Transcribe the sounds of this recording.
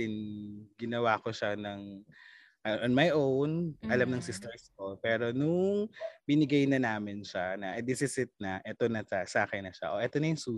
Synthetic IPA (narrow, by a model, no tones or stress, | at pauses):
ɪnɡɪnɐwaːkoʃanɐŋ | ʔɐʔonmajʔownʔɐlamnɐŋsɪst̪ɛɹskopɛːɾo̞nʊŋbɪnɪɡɐjnɐnaːmɪnʃanɐʔɐd̪ɪsɪsɪt̪̚nɐʔɛt̪o̞nɐsɐsaːkɐjnɐʃa̰ʔoʔɛt̪onɐjʊŋsuː